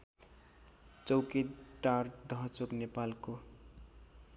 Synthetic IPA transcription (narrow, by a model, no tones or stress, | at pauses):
t͡sʌwket̪ʈːard̪ʱʌɦt͡soknepalko